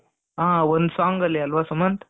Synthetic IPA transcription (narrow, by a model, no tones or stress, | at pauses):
ãːond̪saːŋɡɐlːeɐlʋasumɐnt̪